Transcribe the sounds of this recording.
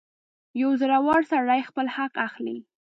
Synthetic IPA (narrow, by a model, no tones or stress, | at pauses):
jawzəɾawɑɽsaɽajxpəlhaqaxlḭ